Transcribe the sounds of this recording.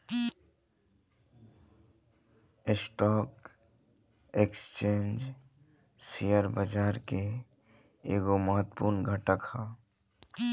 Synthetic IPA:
esʈɔːk | ekst͡ʃẽːnd͡ʒ | sijəɾbəd͡ʒaːɾke | eːɡoməɦət̪ːpuɾnɡʱəʈəkha

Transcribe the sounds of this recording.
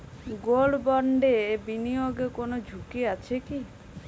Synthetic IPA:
ɡoɭbɔɳɖebinijoɡekonod͡ʒʱukiat͡ʃʰeki

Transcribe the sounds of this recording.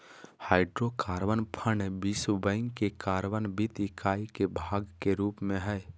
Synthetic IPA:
haːɪɖɾokaːɾʋənpʰəɳbisubə̃ɪŋɡekaːɾʋənbit̪ikʰaːikebʱaːɡkeɾuːpmẽɦɛː

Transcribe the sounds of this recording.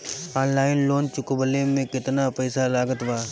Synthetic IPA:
aːnlaːɪnloːnt͡ʃʊkbəlemẽkɪt̪napɛːsalaːɡət̪ʋaː

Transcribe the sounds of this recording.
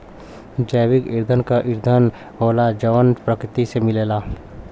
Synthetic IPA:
d͡ʒəjʋɪkɪɾd̪ʱənkaʔɪɾd̪ʱən | ɦoːlad͡ʒəʋənpɾəkɾɪt̪isemɪleːlaː

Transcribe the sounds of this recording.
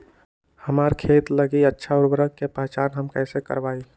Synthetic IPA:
həmaːɾkʰeːt̪ləɡiətːʃʰaʊɾbəɾəkkːepɛt͡ʃaːnɦəmkɛːsekə̰ɾbaːi

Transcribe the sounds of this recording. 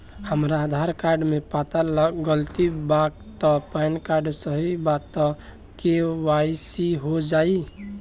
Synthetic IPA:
həmɾaːd̪ʱaɾkaɾɖmepat̪aləɡəlt̪ibaɡ̚ | t̪ɔpəjnkaɾɖsəɦibat̪ːɔ̃ | kewaisiɦod͡ʒai

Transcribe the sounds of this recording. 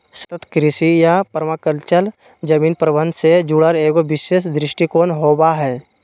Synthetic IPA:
sə̥t̪ət̪kɾɪsijapəɾʋakəɾt͡ʃəl | d͡ʒəmiːnpɾəbə̃nd̪sed͡ʒuɽəɾeːɡoʋɪʃeːʃd̪ɾɪʃʈikoːnɦoːbaɦɛː

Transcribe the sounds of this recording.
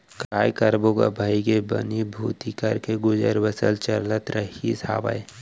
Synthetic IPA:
kɾaːjkəɾboka̰bʱaːikebə̰nibʱuːt̪ikəɾkeɡʊd͡ʒəɾʋəsəlt͡ʃəɾlət̪ɾəɦisa̰ːba̰j

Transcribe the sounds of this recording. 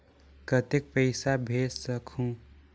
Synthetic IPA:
kət̪ek̚pəɪsabʱeːssəkʰũ

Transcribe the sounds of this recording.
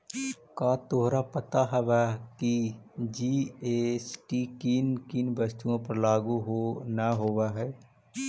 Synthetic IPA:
kaːt̪oɦɾapət̪aɦɛʋakid͡ʒiesʈikiːnkiːnbəst̪uõpəɾlaːɡuɦonaɦoʋaɦɛː

